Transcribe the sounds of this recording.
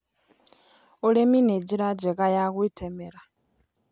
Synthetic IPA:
olemineɟiɾaɟeɣajaɣwitʰemeɾa

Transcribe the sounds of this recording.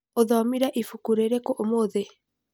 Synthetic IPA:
oðɔmiɾaʔifukuɾeɾekoʔomoðe

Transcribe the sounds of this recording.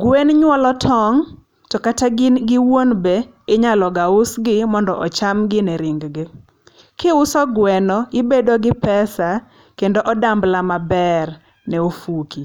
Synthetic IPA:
ɡwenɲwɔlɔtʰɔŋ | tɔkataɡɪwonbe | ɪɲalɔɡaʊsɡɪmɔndɔʔɔt͡ʃamɡɪnɛɾɪŋɡɡɪ | kɪʊsɔɡwɛnɔɪbedoɡɪpɛsa | kendoʔɔdamblamabɛr | nɛofuki

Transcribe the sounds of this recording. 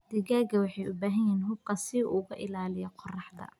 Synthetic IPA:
d̪̥ɪɣaːɡɐwɑħɑjʊbaːɦɐjiːnɦʊb̚kʰɐsɪʔʊɣɐʔɪlaːlɪjɛqʰɔrɑħd̪ɐ̰

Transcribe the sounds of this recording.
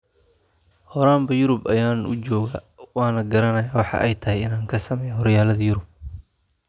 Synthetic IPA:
hɔɾaːmbɐjʊɾʊbɐjaːnʊ̰t͡ʃɔːɣɐ | wɑːnɐɡɐɾɐnɐjaːwɑħɑ̰ʔɛjt̪ʰɐhɛjɪnaːŋkʰɐsɐmɛːjɐɦɔɾjaːlɐðɐjʊɾʊb̚

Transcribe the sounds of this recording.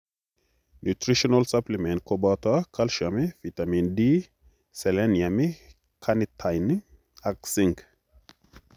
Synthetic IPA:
nut̪ɾiʃɔnalsaplimɛnt̚kobat̪akʰalʃamifit̪amindi | sɛlɛnjami | kʰanitʰajni | aksiŋk

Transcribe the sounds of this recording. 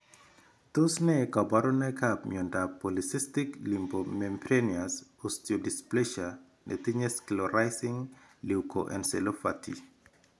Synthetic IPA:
t̪osnɛkabaɾɔnakapmiondapolisistɪklimbomempɾeniasostjodisplɛʃa | net̪iɲɛskilɔɾajsɪŋliwko̰ʔɛ̰nselofa̰tʰi

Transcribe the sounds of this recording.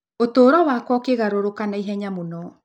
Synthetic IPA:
otoːɾɔwakwɔkeɣaɾoɾokanaiɦɛɲamonɔ

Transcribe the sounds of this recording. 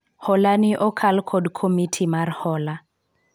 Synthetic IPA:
hɔlaniʔɔkʰalkʰɔdkʰomitʰimarhɔla

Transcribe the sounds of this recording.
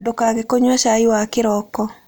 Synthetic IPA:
dʊkaɡɛkoɲwaʃajwakɪɾɔkɔ

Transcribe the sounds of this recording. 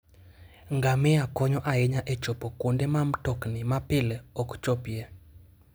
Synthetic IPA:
ŋɡamɛakɔɲɔʔaɛɲaʔet͡ʃɔpokundemam̩tɔknimapɪlɔkt͡ʃɔpje

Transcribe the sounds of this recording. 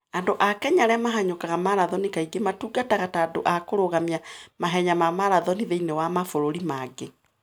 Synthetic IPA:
andoʔakɛɲaɾɛamaɦaɲokaɣamaɾaðɔnikaiɡematuɡataɣataːdo̰ʔakoɾoɣamiamaɦɛɲamamaɾaðɔniðeinewamafoɾoɾimaɡe

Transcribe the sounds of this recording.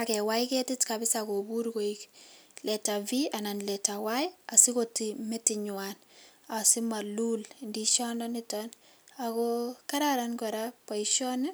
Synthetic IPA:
akɛwajkɛtɪtkabɪsakobuɾɡoiklɛtaviananlɛtawajasikotimɛtɪɲwanasimalulndiʃɔnanɪtan | akɔkaɾaɾankɔɾapaiʃɔnɪ

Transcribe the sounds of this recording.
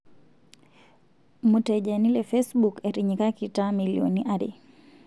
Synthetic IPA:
mutɛd͡ʒanilɛfesbukeɾiɲikakitamilḭo̰niʔaɾḭ

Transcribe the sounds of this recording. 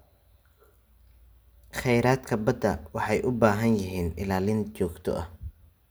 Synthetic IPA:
χɛjɾaːd̪kʰɐbɐd̪ɐwɑħɑjʔʊbaːɦɐnjɪɦiːnɪlaːlɪnt͡ʃɔːɡt̪ʰɔ̰ʔɐh

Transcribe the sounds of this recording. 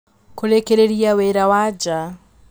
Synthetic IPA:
koɾekeɾeɾiaweɾawad͡ʒa

